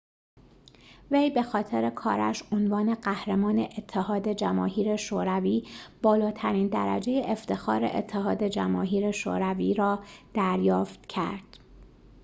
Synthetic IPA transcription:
vejbe̞xɒːt̪ʰe̞ɾe̞kʰɒ̰ːɾæ̰ʃonvɒːne̞ɢæhɾemɒːne̞ʔet̪ʰːehɒːd̪e̞d͡ʒæmɒːɦiːɾe̞ʃoːɾæviːb̥ɒːlɒːt̪ʰæɾiːnd̪æɾæ̰d͡ʒe̞je̞ʔeft̪e̞xɒ̰ːɾe̞̰ʔḛt̪ʰːeɦɒːd̪e̞d͡ʒæmɒ̰ːɦiːɾe̞ʃo̰ːɾæviːɾɒːd̪̥æɾjɒːft̪cʰæ̰ɾd̪̥

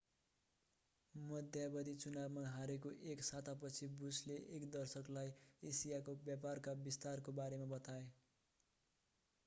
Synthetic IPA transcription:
mʌd̪ʱjabʌd̪it͡sunabmaɦaɾekoʔeksat̪ʰapʌt͡sʰibusleʔekd̪ʌrsʌklajesijakobjaparkabist̪arkobaɾemabʌt̪ae

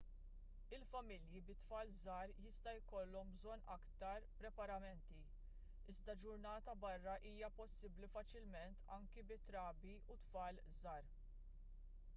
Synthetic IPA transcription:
ɪlfɐmɪljibɪt̪fɐːlzɐːɾjɪst̪ɐjkɔlːɔmbzɔnːɐkt̪ɐɾpɾɛpɐɾɐmɛnt̪i | ɪzd̪ɐd͡ʒʊɾnɐːt̪ɐbɐrːɐʔiːjɐpɔsːɪblifɐt͡ʃɪlmɛnt̪ʰɐŋkɛbɪt̪ɾɐːbiʔut̪fɐːl | zɐːɾ

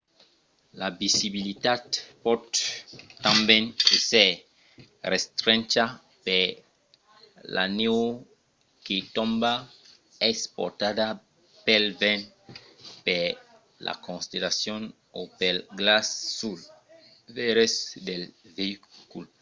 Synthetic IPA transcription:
labisiβilit̪ad̪pɔd̪ | t̪ãmbɛ̃nese | rest̪ɾɛ̃nt͡ʃa | pe | la̰neo | ket̪ɔ̃mba | espɔ̰t̪ada | pelbɛ̃n | pe | la̰kõnsit̪elasjõn | opelɡlasːul | vɛɾesd̪elveikul

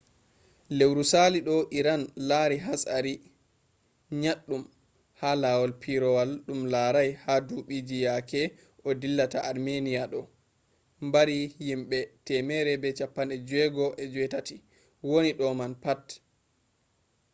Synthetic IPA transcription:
lewɾusaliɗɔʔiɾanlaːɾiɦasaɾi | ɲaɗːum | haːlawɔlpʰiɾɔwalɗumlaːɾajhaduɓid͡ʒijakɛ | ʔɔdilːataʔaɾmeniaɗɔ | mbaɾijimɓɛtɛmɛɾɛbɛt͡ʃapːanɗɛd͡ʒwɛɡɔʔɛd͡ʒwɛtati | woniɗɔmanpat

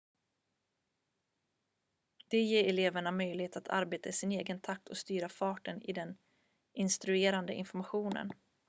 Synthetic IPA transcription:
d̪̥ɛjeːɾɛleːvəɳamœjlɪheːt̪at̪ʰa̰ɾbeːt̪aɪsɪneːɡənt̪ʰak̚t̪ʰɔst̪yːɾafɑːʈənɪ̰d̪ɛn | ʔɪnst̪ɾɵeːɾand̪ə̰ʔɪ̰nfɔɾmaɧuːnə̰n

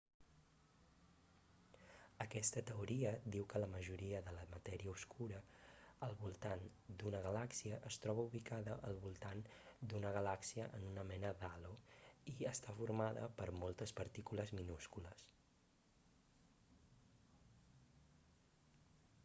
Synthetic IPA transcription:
əkɛst̪ət̪əuɾiəd̪iwkələməʒuɾiəðələmət̪ɛɾiəuskʰuɾəəlˠβulˠt̪and̪unəɣəlaksiəʔəst̪ɾɔβəuβikaðəʔəlˠβulˠt̪and̪unəɣ̞əlaksiəʔənunəmɛnəðaloiəst̪afuɾmaðə̰pəɾmɔlˠt̪əspəɾt̪ikuləzminuskuləs

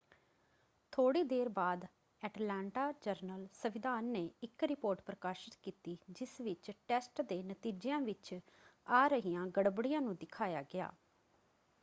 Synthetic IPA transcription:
t̪ʰoːɽiːd̪eːɾbaːd̪ | ɛːʈlɛ̃ːɳʈaːd͡ʒəɾnəlsəʋɪd̪aːnːeːɪkɾɪpoːɾʈpɾəkaːʃɪt̪kiːt̪iːd͡ʒɪsʋɪt͡ʃʈɛːsʈd̪eːnət̪iːd͡ʒɪjãːʋɪt͡ʃaːɾəɦiːãːɡəɽbɽɪjãːnũːd̪ɪkʰaːjaːɡɪa̰ː

